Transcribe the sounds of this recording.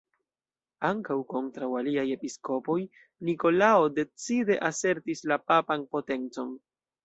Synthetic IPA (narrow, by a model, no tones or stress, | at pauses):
aŋkawko̞ntɾawaliaje̞pisko̞po̞j | niko̞lao̞de̞t͡side̞ʔase̞ɾtislapapanpo̞te̞nt͡so̞n